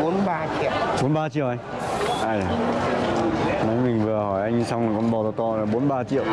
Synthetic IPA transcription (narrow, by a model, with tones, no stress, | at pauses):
o˨˦nɓaː˧t͡ɕḭ˧˨ə˨wɓo˨˦nɓaː˧t͡ɕḭ˧˨əwʔa˧jŋ | ʔaː˧˩jaː˨˩ | na˨˦jmï˨˩ŋ̟vɨ˨˩əhɔ˧˩jʔa˧jŋ˧sa˧wŋ͡mŋː˨˩kɔ˧nɓɔ˨˩t̪ɔ˧t̪ɔ˧laː˨˩ɓo˨˦nɓaː˧t͡ɕḭ˧˨ə˨w